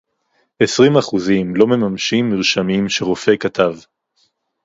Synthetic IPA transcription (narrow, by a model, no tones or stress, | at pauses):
ʔesʁimaχuzimlo̞me̞mamʃimːiʁʃamimʃeʁofe̞kat̪av